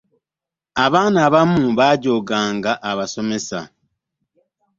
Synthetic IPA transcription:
aβaːnaːβamuβaːɟo̞ːɡaːŋɡaʔaβaso̞me̞sa̰

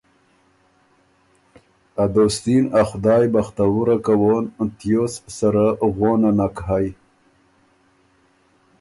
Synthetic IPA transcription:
ad̪ost̪inaxʊd̪ɑːjbaxt̪awuɾakawont̪jossaɾaɣonanakɦaj

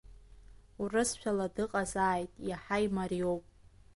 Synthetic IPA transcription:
urɨsʃʷᶣaladɨqʼazaːjtʼjaħajmariowpʼ

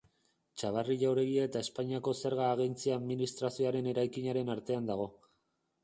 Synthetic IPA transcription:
t͡ʃaβ̞ariʎawɾe̞ɣiae̞t̪ae̞spaɲiako̞se̞ɾɣaːɣ̞ent͡siaðminist̪ɾasio̞aɾe̞ne̞ɾajkiɲaɾe̞naɾt̪e̞and̪aɣ̞o̞

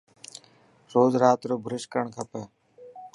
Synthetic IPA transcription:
ɾoːzɾaːt̪ɾoːbʱəɾɪʃkəɾəɳkʰəpeː

